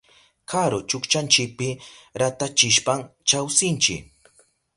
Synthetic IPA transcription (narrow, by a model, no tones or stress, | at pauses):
kʰaɾot͡ʃʊkt͡ʃant͡ʃɪk̚pɪɾat̪at͡ʃɪʃpaŋt͡ʃawsɪnt͡ʃɪ̰k